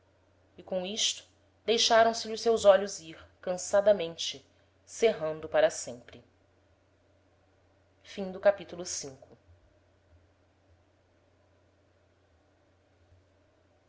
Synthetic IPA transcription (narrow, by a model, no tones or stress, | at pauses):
ɪkõw̃iʃt̪ʊ̥ | d̪ejʃaɾɐ̃w̃sɪʎɪʊsewzɔʎʊziɾkɐ̃sad̪ɐmẽnt͡ʃɪ | seɦɐ̃nd̪ʊpaɾɐsẽmpɾɪ | fĩd̪ʊkapit̪ulˠʊsĩŋkʊ